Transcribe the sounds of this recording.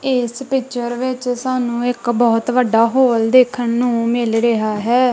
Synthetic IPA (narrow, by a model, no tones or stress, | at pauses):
ɪspɪt͡ʃəɾʋɪt͡ʃsaːnũːɪkbɔːt̪ʋəɖaːɦoːld̪eːkʰənːũːmɪlɾəɦaːɦɛː